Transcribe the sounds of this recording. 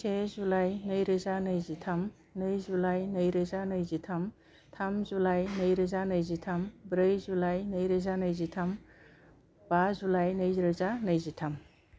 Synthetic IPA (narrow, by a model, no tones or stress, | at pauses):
sʰezulajnɯjɾɯzanɯjzitʰam | nɯjzulajnɯjɾɯzanɯjzitʰam | tʰamzulajnɯjɾɯzanɯjzitʰambɾɯjzulajnəjɾɯzanɯjzitʰam | b̥azulajnɯjɾɯzanɯjzitʰam